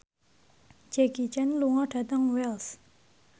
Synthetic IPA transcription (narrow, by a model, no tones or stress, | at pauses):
t͡ɕelkit͡ɕanloŋaʈ͡ʂʰat̪aŋwels